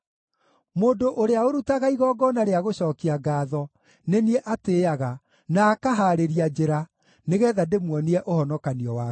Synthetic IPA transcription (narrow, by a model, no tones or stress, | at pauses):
moːndoʔoɾeaoɾutaɣaiɣɔːɡɔnaɾeaɣoɕɔːkiaɡaːðɔ | nenieʔateːaɣa | naːkaɦaɾeɾiad͡ʒeɾa | neɣɛːðademwɔniɛʔohɔnɔkaniɔwaː